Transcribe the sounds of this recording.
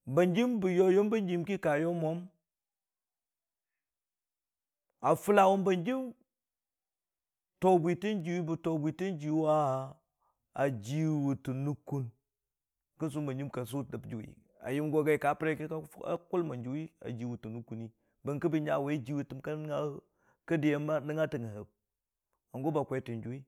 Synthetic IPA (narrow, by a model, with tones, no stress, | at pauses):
ba˨nd͡ʒi˦mbu˨jo˦jo˦mbə˦nd͡ʒi˦mki˦ka˨jo˦mʷa˦m | a˨fu˦la˦wu˦mbə˨nd͡ʒi˦m | to˨bʷi˨ti˦nd͡ʒi˨wi˦bu˨to˨ɡʷi˨ti˦nd͡ʒi˨wa˦˨ | a˨d͡ʒi˦wu˨tu˨nu˦ku˦n | kə˦ns̬u˦mba˨nd͡ʒi˦mka˨s̬u˦˨də˨bd͡ʒu˨wḭ˨ | a̰˨ji˦mɡo˨ɡa˦i˨ka˨˦pɾa˦ke˦ka˦a̰˨˦ku˦lma˨nd͡ʒi˨wi˦a̰˨d͡ʒi˨wu˨tu˨nu˦ku˦ni˦ | bə˨ŋkə˦bi˦ɲa˨wa˨i˦d͡ʒi˨˦wi˨tɨ˨mka˦ŋa˦ | ka˦di˨je˦ma˦nə˦ŋa˦tə˨ŋə˨hə˨b̚ | a˨ŋɡo˦ba˨kʷe˨˦ti˨nd͡ʒu˨wi˦